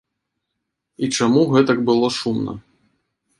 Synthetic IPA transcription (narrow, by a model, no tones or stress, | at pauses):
it͡ʂamuɣɛt̪ɐkbɨlˠɔʂumnɐ̰